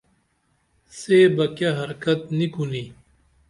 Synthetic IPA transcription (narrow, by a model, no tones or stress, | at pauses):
seːbɐkaɦɐɾkɐt̪̚nikʰuni